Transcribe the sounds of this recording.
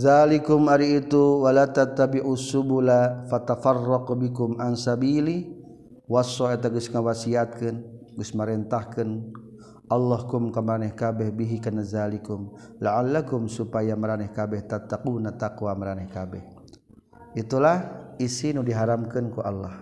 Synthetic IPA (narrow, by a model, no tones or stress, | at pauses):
ðalikʊmaɾiːt̪uwalat̪at̪ːabiʕusubulafat̪afɑrːɑqbikʊmʕansabili | wasɔɛt̪aɡuʊsŋawasiat̪̚kən | ɡʊsməɾɛnt̪ahkən | ʔɑlːɑhkʊmkamɾanɛhkabɛhbiɦikanazalikʊm | laʕalːakʊmsupajaməɾanɛhkabɛht̪at̪ːaqunat̪aqwaməɾanɛhkabɛh | it̪ulahisinudiɦaɾamkankuʔa̰lːɑh